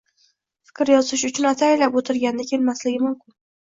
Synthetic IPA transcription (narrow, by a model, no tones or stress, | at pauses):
fɪ̥kʲɾjɒzɪʃ̬ʊt͡ʃʰʊnat̪ʰaelapot̪ʰɪɾɡʲanɪd̪ɪkʲʰe̞lmaslɪɡʲɪmʊmkʲɪn